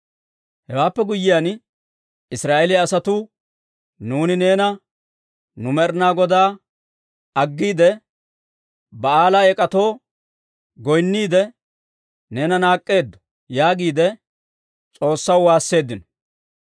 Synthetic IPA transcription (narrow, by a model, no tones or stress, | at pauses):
hɛwaːpːɛɡʊjːɪjan | ɪsɾaːʔɛlɪːsɐt̪ʊ | nuːnɪne̞ːnɐ | nʊmɛɾnaːɡɔd̪aː | ɐɡːiːd̪ɛ | bɐaːlaɛkʼɐt̪o̞ː | ɡɔjnːiːd̪ɛ | ne̞ːnɐnaːkʼːe̞ːd̪ːɔ̥ | jaːɡiːd̪ɛ | t͡sʼo̞ːsːɐwwaːsːe̞ːd̪ːɪnɔ̥